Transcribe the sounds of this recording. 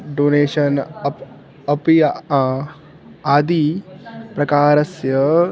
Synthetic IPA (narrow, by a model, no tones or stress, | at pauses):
ɖoːneːʃɐn | ɐpi | aːd̪ipɾɐkaːɾɐsjɐ